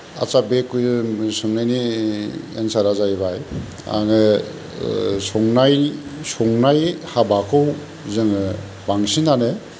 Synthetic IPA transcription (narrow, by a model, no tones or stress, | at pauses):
a̰t͡ʃabekːujsɯŋnajni | ensaɾazajbaj | a̰ŋɯ | sɔŋnajsɔŋnajhabakʰɯw | zɯŋɯ | baŋsinane